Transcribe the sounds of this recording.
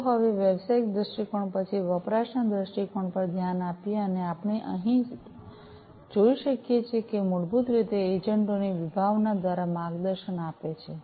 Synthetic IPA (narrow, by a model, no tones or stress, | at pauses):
ɦəʋeʋjəbsaik̚d̪ɾəʃʈikoɳpət͡ʃʰiʋəpɾaʃəɳd̪ɾəʃʈikoɳpəɾd̪ʱjanapjeəneapɳeʔə̰ɦĩ | d͡ʒoiʃəkjet͡ʃʰekemuɽbut̪ɾit̪eed͡ʒəɳʈoniʋibʱaʋnad̪ʋaɾamaɡd̪əɾʃənapet͡ʃʰe